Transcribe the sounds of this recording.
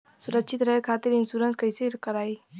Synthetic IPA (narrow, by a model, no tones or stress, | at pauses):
suɾəkt͡ʃʰit̪ɾəɦkʰat̪iɾinsuɾənskəjseɾkəɾaj